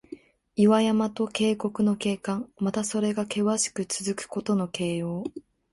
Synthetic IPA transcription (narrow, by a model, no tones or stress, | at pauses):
iβajamat̪o̞ke̞ːko̞kɯ̟no̞ke̞ːkãŋmat̪aso̞ɾe̞ɡake̞βaɕi̥kɯ̟t͡sɨzɨkɯ̟̥ko̞t̪o̞no̞ke̞ːjo̞ː